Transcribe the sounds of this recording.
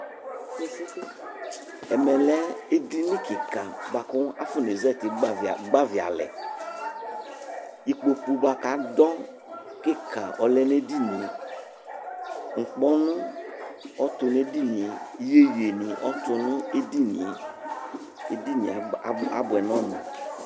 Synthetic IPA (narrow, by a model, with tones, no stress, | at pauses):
ɛ˨mɛ˨lɛ˦e˦di˦nɪ̃˦kɪ˨ka˨ba˨kʊ˦a˦fʊ˦n˨e˨zɛ˦˨t̪ɪ˨˦˨ɡ͡ba˦vi˨a̰˨lɛ̰˨ | i˨k͡po˨pu˨ba˨ka˨˦dɔ˦ | kɪ˦ka˨ʔɔ˨lɛ˦n˦e˦di˦ne˨ | ŋ̩˨k͡pɔ˦nʊ̃˦ | ɔ˦t̪ʊ˨n˦e˦di˦nĩ˨je˦je˨nĩ˨ʔɔ˦t̪ʊ˨nʊ̃˦e˦di˦nḭ˨ | e˦di˦nḭ̃˨˦a˦bʊ˨ɛ˨nɔ̃˦nʊ̰̃˨